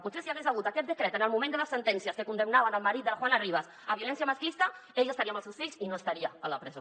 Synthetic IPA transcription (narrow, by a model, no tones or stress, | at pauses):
put̪sesiaezaɣ̞ut̪akɛt̪d̪əkɾɛt̪ənəlmumend̪əðəsːənt̪ɛnsjaskəkund̪əmnaβanəlmaɾit̪d̪əlaxwanariβas | aβjulɛnsjamaskist̪aeʎəst̪aɾiamalˠsewsfiʎsinoəst̪aɾiaalapɾɛz